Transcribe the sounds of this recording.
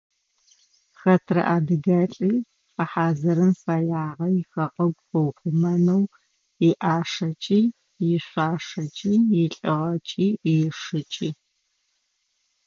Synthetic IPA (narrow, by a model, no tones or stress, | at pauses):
xɐtʰrɐ̰ʔaːdɨɡaɬʼiː | fʼɐħaːzɐɾɨmfaːjaːʁɐjɪxɐqʼɐɡʷfɐwχʷʊmɐnɐw | ɪʔaːʂɐt͡ʃʼiː | jɪɕʷaːʂɐt͡ʃʼiːjɪɬʼɨʁɐt͡ʃʼiːjɪʂɨt͡ʃʼiː